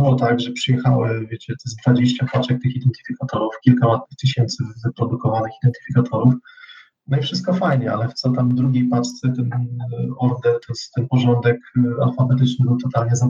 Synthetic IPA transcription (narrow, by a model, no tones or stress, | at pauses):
wɔt̪aɡʐɛpʂɨjɛxawɪvʲjet͡ɕɛt̪ɛzd̪vad͡ʑeɕt͡ɕapat͡ʂɛk̚t̪ɘxid̪ɛnt̪ɘ̥fʲikat̪ɔɾufkʲilkalat̪nɘxt̪ɘɕɛnt̪sɘpɾɔd̪ukɔvanɘxid̪ɛnt̪ɘ̥fʲikat̪ʰɔɾuf | nɔifʂɘst̪̚kɔfajɲɛalɛft̪sɔt̪amd̪ɾuɡʲejpast̪sɛt̪ɛnɔɾd̪ɛɾt̪ɔst̪ɛnpɔʐɔnd̪ɛka̰lfabɛt̪ɘt͡ʂnɘbɘwt̪ɔt̪alɲɛza